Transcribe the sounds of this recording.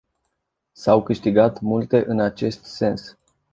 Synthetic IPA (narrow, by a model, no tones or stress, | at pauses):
sawkɨʃt̪iɡat̪mult̪e̞ʔɨnat͡ʃe̞st̪se̞ns